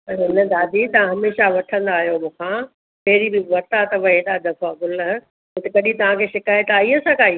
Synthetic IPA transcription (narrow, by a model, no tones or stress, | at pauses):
ɐɾɪnɐd̪aːd̪ʱit̪ɐʋãɦɐmeːʃaʋɐʈʰə̃nd̪aːɦjomũːkʰã | pɐɦɪɾibɪʋɐɾt̪at̪ɐʋɐɦet̪ad̪ɐfaɡʊlɦ | ɪ̃t̪ɐkɐɗĩt̪ɐʋ̤ãkʰeːʃɪkaːjt̪aːiəsãkaːiː